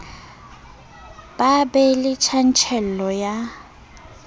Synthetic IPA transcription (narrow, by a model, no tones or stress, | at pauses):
b̥abɛlɪt͡ʃʰan̩t͡ʃʰɛl̩ɔja